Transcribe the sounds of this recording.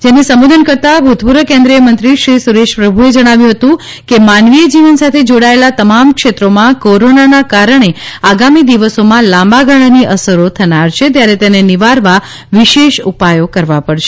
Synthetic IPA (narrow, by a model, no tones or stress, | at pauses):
d͡ʒenesəmod̪ʱənkəɾt̪abʱut̪puɾəkẽnd̪ɾijəmənt̪ɾiʃɾisuɾeʃpɾəbʱued͡ʒəɽ̃aʋjũɦət̪ũ | kemanʋijəd͡ʒiʋənsat̪ʰed͡ʒoɽaelat̪əmamkʃet̪ɾomãkoɾonanakaɾəɽ̃eaɡamid̪iʋəsomãlambaɡʱəɭaniʔəsəɾot̪ʰənaɾt͡ʃʰet̪jaɾet̪eneniʋaɾʋa | ʋiʃeʃupajokəɾʋapəɽʃe